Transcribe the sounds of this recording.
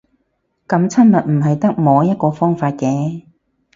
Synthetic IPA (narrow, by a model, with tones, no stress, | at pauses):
kɐ˨˧˥mt͡sʰɐ˥nmɐ˨t̚m̩˨˩ɦɐ˨jt̪ɐ˥k̚mɔː˨˧jɐ˥t̚kɔː˧fɔː˥ŋfaː˧t̚kɛː˨˥